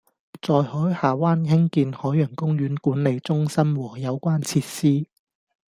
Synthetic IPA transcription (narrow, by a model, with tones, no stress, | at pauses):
t͡sɔː˧jhɔː˨˥jhaː˨˩waː˥nɦɪ˥ŋkiː˧nhɔː˨˥jœː˨˩ŋkʊ˥ŋɥyː˨˥nkuː˨˥nle˨˧jt͡sʊ˥ŋsɐ˥mwɔː˨˩jɐ˨˧wkʷaː˥nt͡sʰiː˧t̚siː˥